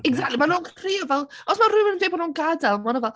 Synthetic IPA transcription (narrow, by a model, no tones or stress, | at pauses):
ɛɡzak̚tʰˡlimanoːɡkʰriːɔvɛlˠɔsmarʊmənəndejbɔnoːnɡadalˠmanɔvɛlˠ